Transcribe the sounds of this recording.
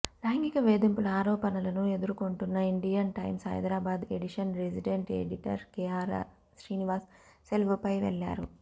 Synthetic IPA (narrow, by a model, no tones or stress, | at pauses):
laːŋɡikɐʋeːd̪impulɐaːɾɔːpɐnɐlɐnue̞d̪uɾukoɳʈunːɐiɳɖijɐnʈɐjmsɦɐ̰jd̪ɾaːbaːd̪eɖiʂɐnɾesiɖeɳʈḛɖiʈɐ̰ɾkɛːaːɾa̰ː | sɾiːniʋaːsː | elʋupɐjʋɛ̰ɭːa̰ːɾṵ